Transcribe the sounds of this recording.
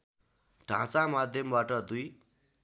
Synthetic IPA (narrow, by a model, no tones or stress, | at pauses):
ɖʱãt͡samad̪ʱjʌmbaʈʌd̪uj